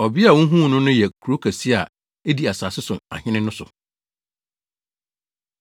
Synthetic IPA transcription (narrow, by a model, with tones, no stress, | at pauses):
ɔ˨bi˦a˨wɔ̃˦ɦũ˦˨nʊ̃˦nʊ̃˦jɛ˨kʰu˨ɾo˦kʰæ˨si˦a˨ | e˦di˨˦a˨saː˨sɪ˦sʊ˨a̰˨hɪ̃˦nɪ̃˦nʊ̃˦sʊ̰˨